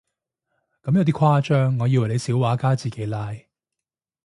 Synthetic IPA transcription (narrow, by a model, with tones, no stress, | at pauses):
kɐ˨˥mjɐ˨˧wt̪̬iː˥kʰwaː˥t͡ʃœː˥ŋːɔː˨˧jiː˧wɐ˨˩jle˨˧jsiː˨˥waː˨˥kaː˥t͡siː˨ke˨˥jlaː˧j